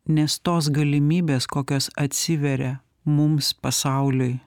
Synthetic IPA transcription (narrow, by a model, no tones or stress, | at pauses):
nʲɛst̪oːs̬ɡɐlʲɪmʲiːbʲeːskoːkʲoːsɐt̪ʲsʲɪʋʲɛɾʲɛ | mʊmspɐsɑˑʊlʲʊj